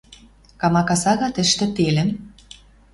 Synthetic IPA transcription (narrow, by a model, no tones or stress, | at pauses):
kɑmɑkɑsɑɣɑt̪ɘ̆ʃt̪ɘ̆t̪elɘ̆m